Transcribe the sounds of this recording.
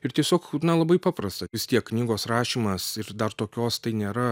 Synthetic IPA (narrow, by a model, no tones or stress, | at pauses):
ɪrt̪ʲiɛsʲoːknɐlˠɐbɐɪpɑːpɾɐst̪ɐʋʲɪst̪ʲiɛkːnʲiːɡoːsɾɑːʃʲiːmɐsɪɾd̪ɐrt̪oːkʲoːst̪ɐɪnʲeːɾɐ